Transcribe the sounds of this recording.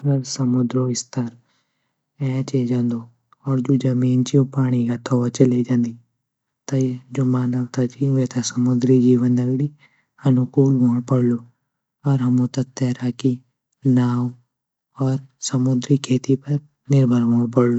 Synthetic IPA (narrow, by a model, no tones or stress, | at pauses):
kɐɾsɐmʊd̪ɾoɪst̪ɐɾ | ɛ̃ːt͡ʃeːd͡ʒãːnd̪o | ɔːɾd͡ʒoːd͡ʒɐmiːnt͡ʃiopaːɽ̃iɡat̪ʰoʋɐt͡ʃɐled͡ʒãːnd̪iː | t̪ɐid͡ʒoːmaːnəʋt̪at͡ʃiʋet̪ʰasɐmʊd̪ɾid͡ʒiːʋənd̪ɐɡɽi | ɐnʊkuːlɦoːɽpɐɽloː | ɔːɾɦɐmõt̪ɐt̪ɛːɾaki | naːw | ɔːɾsɐmʊd̪ɾikʰeːt̪ipɐɾ | nɪɾbʱəɾʋoːɽ̃pɐɽlo